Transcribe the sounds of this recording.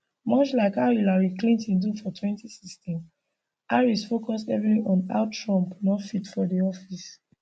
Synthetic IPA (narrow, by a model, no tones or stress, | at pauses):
mɔt͡ʃlaɪkajilaɹiklĩntĩndufɔtʰwɛ̃ntisistɛ̃m | aɹisfokɔstɛvɹiĩɔ̃na̰ʊtɹɔ̃mpnɔfitfɔdiɔfis